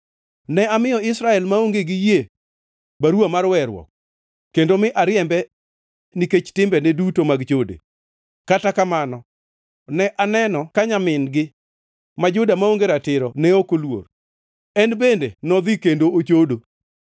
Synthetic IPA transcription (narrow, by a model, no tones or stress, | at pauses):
nɛamɪjɔɪsɾaɛlmaoŋɡeɡɪje | baɾwamaɾwɛɾwɔ̰kː | endomɪʔaɾɪjɛmbɛ | niket͡ʃtɪmbɛnɛdutomaɡt͡ʃodḛ | katakamanɔ | nɛʔanɛnɔkaɲamɪnɡɪ | mad͡ʒʊdamaoŋɡeɾatɪɾɔnɛokolwo̰ɾ | ɛnbendḛnɔd̪ɪkendoot͡ʃodo